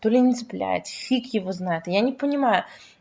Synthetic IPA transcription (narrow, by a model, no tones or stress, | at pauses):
t̪olʲɪnʲɪzɨplʲæ̰jɪ̰t̪fʲikjɪvoznajʊt̪janʲɪpənʲɪmajʊ